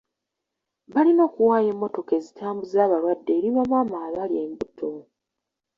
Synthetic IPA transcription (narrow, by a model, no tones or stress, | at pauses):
βalino̞ːkuwaːje̞ːmːo̞to̞ke̞zitʰaːmbuzaːβaɾwadːe̞ːɾiβamwaːmaβaljeːmbutʰːo